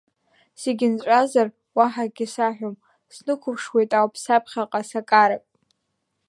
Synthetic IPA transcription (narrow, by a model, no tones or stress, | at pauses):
seɡʲɪnʈ͡ʂʼazar | waħaɡʲɪsaħʷᶣom | snɨkʷʰʊpʰʂwejtʼawpʰsapʰχʲaqʼasakʼaɾakʼ